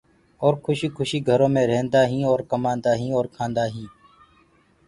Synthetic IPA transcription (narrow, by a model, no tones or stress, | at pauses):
oːɾkʰʊʃiːkʰʊʃiːɡʱəɾõːmẽːɾẽːnd̪aːɦĩːoːɾkəmãːnd̪aːɦĩːoːɾkʰãːnd̪aːɦĩː